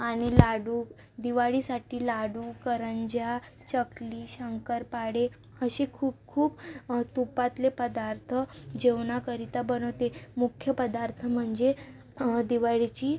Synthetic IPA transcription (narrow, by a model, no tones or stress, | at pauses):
aɽ̃ilaɽu | d̪iʋaɭisaʈʰiːlaɽukəɾəɲd͡ʑja | t͡ɕəkliːɕəŋkəɾpaɽe | əɕekʰuːb̚kʰuːbt̪upat̪lepəd̪aɾt̪ʰəd͡ʑeʋnakəɾit̪abənəʋt̪emukʰjəpəd̪aɾt̪ʰəm̤əɳd͡ze | d̪iʋaɭit͡ɕiː